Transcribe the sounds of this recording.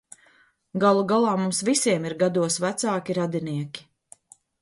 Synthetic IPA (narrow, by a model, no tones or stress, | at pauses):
ɡalˠuɡalˠɑːmumsvisiɛmiɾɡad̪uɔsvæt̪saːkʲiɾad̪iniɛkʲi̥